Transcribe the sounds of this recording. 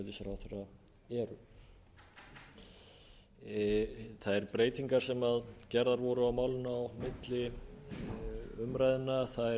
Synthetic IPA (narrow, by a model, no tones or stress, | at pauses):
ðisɾawθera | ɛɾʏ | θaðɛɾpɾeːjt̪iŋkaɾ̥sɛmaðcɛɾðaɾvɔɾʏawmaːwlɪnaːwmɪt̪lɪ | ʏmɾajðɪnːaθaðɛ